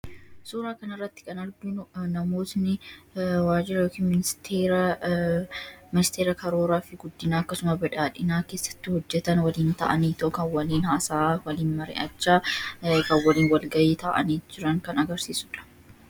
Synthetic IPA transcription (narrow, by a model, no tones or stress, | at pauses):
suːɾaːkɐnɪrːɐt̪ːɪ̥kʼɐnɐɾɡunɐmo̞ːsnɪwaːd͡ʒɪɾɐjoːkiːnmɪnɪst̪ʰeːɾɐ | mɪnɪst̪eːɾɐkɐɾo̞ːɾaːfɪɡʊd̪ːɪnaːɐkːɐsʊmɐbɛᶑaːᶑɪnaːke̞ːsːɐ̥t̪ːɪhɔd͡ʒːɛt̪ɐnwɐliːnt̪ɐ̰ʔɐniːt̪oʔkɐwɐliːnhaːsaːwɐliːnmɐɾḛːʔɐt͡ʃːaːkɐwɐliːnwɐlɡɐʔeːt̪ʰaːʔɐ̰niːd͡ʒɪɾɐŋkɐnɐɡɐɾsiːsʊᶑɐ̥